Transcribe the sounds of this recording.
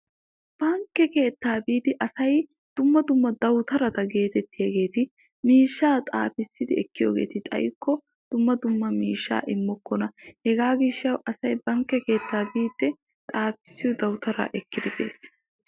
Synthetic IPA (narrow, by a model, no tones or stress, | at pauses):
b̥ɐŋkːɛke̞ːt̪ːaːbiːd̪ɪʔɐsɐj | d̪̥ʊmːɐd̪ʊmːɐd̪ɐwt̪ɐɾɐt̪ɐɡe̞ːt̪ɛt̪ːɪjɐɡe̞ːt̪ɪ | miːʃːaːt̪ʼa̰ːfɪsːɪd̪ɪɛkːɪjo̰ːɡe̞̰ːt̪ɪt̪ʼɐ̰jkːɔ | d̪̥ʊmːɐd̪ʊmːɐmiːʃːa̰ːʔɪmːɔkːɔnɐhɛɡaːɡɪʃːɐwʔɐsɐjbɐŋkːɛke̞ːt̪ːaːbiːd̪ːɛ | t̪ʼaːpɪ̥sːɪjɔd̪ɐwt̪ɐɾa̰ːʔɛkːɪd̪ɪbe̞̰ːs